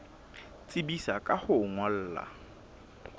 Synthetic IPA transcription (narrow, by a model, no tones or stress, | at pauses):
t͡sʼɪbisakʼahʊŋwal̩ːla̰